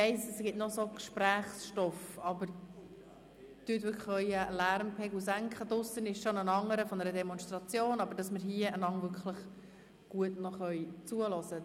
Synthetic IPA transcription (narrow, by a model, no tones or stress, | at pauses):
ɛɪsəsɡɪtnɔsokʃpɾæːχsʃtɔfɑbəɾ | tytvʏkχœʏəlæɾmpʰɛɡusæŋkχədʊsənɪʃʃonənɑŋːəɾəfɔnəɾədɛmɔnʃtrɑt͡sjoːnɑbəɾd̥ɑsməɾɦiəənɑŋvʏɾkχʰləχ | ɡ̥uətnɔχœʏt͡suəlɔsə